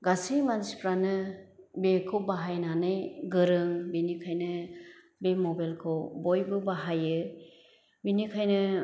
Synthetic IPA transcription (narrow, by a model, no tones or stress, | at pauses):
ɡasimansi̥pɾanɯbekʰɯwbaɦajnanɯjɡɯɾɯŋbinikʰajnɯ | bemɔbalkʰɯwbɔjbɯbaɦajɯ | binikʰajnɯ